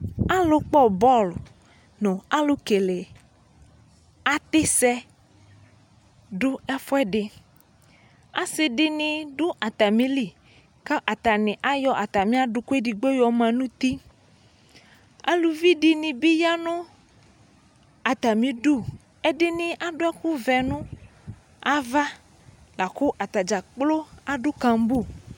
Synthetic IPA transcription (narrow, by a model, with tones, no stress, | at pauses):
a˦lo˦k͡pɔ˦bɔ˦˨l | nʊ̃˨a˦lo˦ke˨le˨ | a˦t̪ɪ˦sɛ˦ | ɖʊ˦ɛ˦fɔ˦ɛ˦ɖɪ˨ | a˦sɪ˨ɖɪ˦nɪ̃˨ɖʊ˦ʔa˨t̪a˨mĩ˦li˨ | ka˦ʔa˨t̪a˨nɪ̃˨ʔa˦jɔ˦ʔa˨t̪a˨mĩ˦a˦ɖʊ˨ku˦e˦ɖi˨ɡ͡be˦jɔ˨mã˨nũ˦t̪i˦ | a̰˦lu˨vi˦ɖɪ˨nĩ˨bi˦ja˦nʊ̃˦ | a˨t̪a˨mĩ˨ɖu˦ | ɛ˦ɖɪ˦nɪ̃˨ʔa˦ɖʊ˦ɛ˦ku˦vɛ˨nũ˦ | a˦va˦ | la˨kʊ˦ʔa˨t̪a˨d͡ʒa˨k͡plo˦a˨ɖʊ˦kã˨m˦bu˦˨